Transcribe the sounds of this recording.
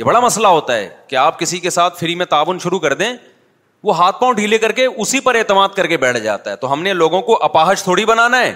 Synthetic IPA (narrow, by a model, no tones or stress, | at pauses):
jebɐɽamɐslaɦoːt̪aɦɛ̰ːkeaːp̚kɪsikesaːt̪ʰfɪɾimẽt̪aːʋʊnʃʊɾukɐɾd̪ẽː | ʋoɦaːt̪̚ʰpãʊɳʈɦiːlekɐɾkeʔʊsipɐɾeːt̪əmaːd̪̚kɐɾkebɛːʈʰd͡ʒa̰ːt̪aɦɛt̪oɦɐmneloːɡõkoʔɐpaːɦəʃt̪ʰoːɽibɐnaːnaɦɛ̰ː